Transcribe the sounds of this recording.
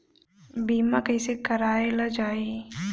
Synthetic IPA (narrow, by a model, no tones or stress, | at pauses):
biːmakəsekɐɾaːelɐd͡ʒaːi